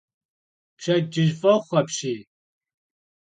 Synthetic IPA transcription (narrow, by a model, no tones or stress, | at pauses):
pɕɐd͡ʒɪʒfʼɐχʷɐpɕiː